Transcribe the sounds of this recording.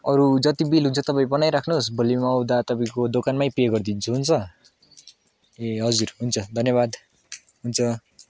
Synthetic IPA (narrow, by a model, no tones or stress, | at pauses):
ʌɾud͡zʌt̪ibilɦunt͡sʰʌt̪ʌpaĩbʌnajɾakʰnusbʌlimwd̪at̪ʌpaĩkod̪okanmajpieɡʌrd̪int͡sʰuɦunt͡sʰʌ | eɦʌd͡zuɾɦunt͡sʰʌd̪ʱʌnjʌβad̪ | ɦunt͡sʰʌ